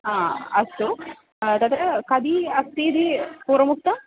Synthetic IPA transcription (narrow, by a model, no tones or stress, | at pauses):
aːɐst̪u | t̪ɐt̪ɾɐkɐd̪iɐst̪iːd̪ipuːɾɐmuk̚t̪ɐ